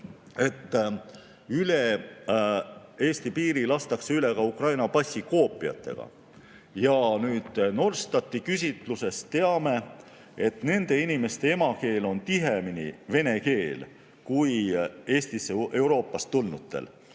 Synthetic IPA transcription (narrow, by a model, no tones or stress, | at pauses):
e̞t̪ː | yle | e̞ːst̪ipiːɾilɑst̪ɑkseyle̞ɡ̥ɑukrɑjnɑpɑsʲiko̞ːpːˑiɑ̰t̪ːe̞̰ɡ̥ɑ̰ | jɑnyːd̪̥no̞rst̪ɑt̪ːikys̬ʲit̪ˑluse̞st̪ːe̞ɑme̞ | e̞t̪ne̞nd̪̥e̞inime̞st̪e̞e̞mɑke̞ːlo̞nt̪iɦeminḭve̞ne̞ke̞ːl | kuje̞ːst̪iseʔe̞wɾo̞ːpːˑɑst̪ulnut̪ːḛl